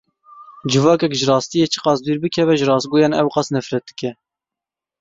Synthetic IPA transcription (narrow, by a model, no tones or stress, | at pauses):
d͡ʒɨvɑːkɛkʒɨrɑːst̪ijeːt͡ʃʰɨ̥qɑːsd̪uːɾbɨkʰɛvɛʒɨɾɑːst̪̚ɡoːjɑːnɛwqɑsnɛfɾɛt̪̚ɨ̥kɛ